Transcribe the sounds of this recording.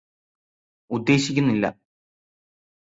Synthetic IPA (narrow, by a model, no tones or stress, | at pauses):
ud̪ːe̞ːɕikʲːunːilːɐ̰